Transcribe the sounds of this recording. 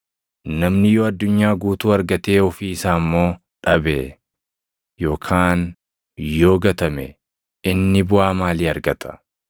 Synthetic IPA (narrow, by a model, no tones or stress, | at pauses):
nɐmnɪjoːɐd̪ːʊɲːaːɡuːt̪uːɐɾɡɐt̪e̞ːɔfiːɪsaːmːo̞ː | ᶑɐbḛː | jo̞ːkʰaːn | jo̞ːɡɐt̪ɐmɛ̰ | ɪnːɪbʊaːmaːliːɐɾɡɐt̪ʰɐ̥